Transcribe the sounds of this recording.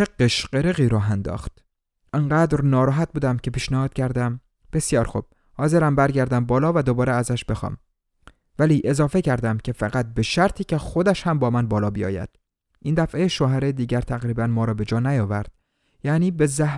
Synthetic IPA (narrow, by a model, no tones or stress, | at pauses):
t͡ʃeɡːeʃqeɾeɣiːɾɒːɦænd̪ɒ̰ːxt̪ | ʔiɴɢæːd̪ɾnɒːɾɒːɦæt̪̚buːd̪æmcʰe̞piːʃnæhɒːt̪̚cʰæɾd̪æm | b̥e̞sjɒːɾxṵb̥̚ | hɒːze̞ɾæmbæɾɟæɾd̪æmbɒːlɒːvæd̪o̞bɒːɾeæzæʃbe̞xɒ̰ːm | væliːʔe̞zɒːfe̞cʰæɾd̪æmcʲʰe̞fæɣæt̪̚be̞ʃæɾt̪ʰiːce̞xo̞d̪æʃhæmbɒːmænbɒːlɒːbijɒ̰ːjæ̰d̪̥ | ʔiːnd̪æfʔejeʃoɦæɾed̪iːɟæɾt̪ʰæɣɾiːbænmɒːɾɒːbe̞d͡ʒɒːnæjɒːvæɾd̪̥̚ | jæniːbe̞zæ